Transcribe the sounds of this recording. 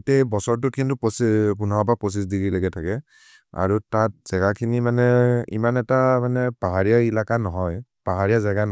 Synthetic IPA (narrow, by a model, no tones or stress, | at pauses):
tɛbɔsɔɹt̬ut̚kʰintupspunabaposisdiɡilaɡɛtʰakɛ | a̰ɹutat̚z̥ɛɡakʰinimanɛḭmanɛtamanɛpaɦaɹijailakanɔɦɔjb̥aɦaɹijazaɡan